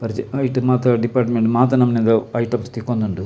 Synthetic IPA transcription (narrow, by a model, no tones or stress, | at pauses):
pɐɾt͡ʃɐjʈmaːt̪ɐɖipaːɾʈmeɳʈmaːt̪̬ɐnɐmːɐnend̪ɐɐjʈɐːpst̪ikːond̪uɳɖu